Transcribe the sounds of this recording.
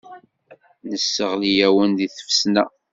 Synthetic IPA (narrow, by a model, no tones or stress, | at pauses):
nəsːəʁlijæwənðiθə̥fsnæ